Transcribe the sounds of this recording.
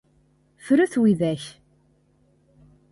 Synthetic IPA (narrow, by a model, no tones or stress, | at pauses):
fɾuθwiðæç